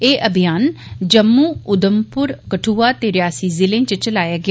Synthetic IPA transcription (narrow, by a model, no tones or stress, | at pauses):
eːʔəbʱijaːn | d͡ʒəmːuːʊd̪əmpʊɾkəʈʰuːaːt̪eːɾɪjaːsiːzɪlẽːt͡ʃət͡ʃəlaːjaːɡɪaː